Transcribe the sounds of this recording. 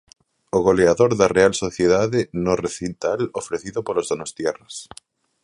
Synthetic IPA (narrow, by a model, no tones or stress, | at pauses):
oɣ̞oleaðoɾðarealsoθjeðaðenoreθint̪alofɾeθiðopolozðonost̪jɛras